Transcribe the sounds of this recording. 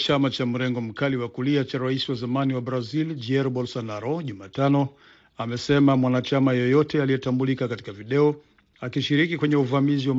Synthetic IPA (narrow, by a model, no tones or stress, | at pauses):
t͡ʃamat͡ʃam̩ɾɛŋɡɔm̩kaliwakuliat͡ʃaɾaisiwazamaniwabɾazild͡ʒiɛɾbɔlsanaɾɔʄumaːtanɔ | amɛsɛmamwanat͡ʃamajɔjɔtɛalijɛtambulikakati̥kaviɗɛɔ | akiʃiɾikikwɛɲɛuvamiziwam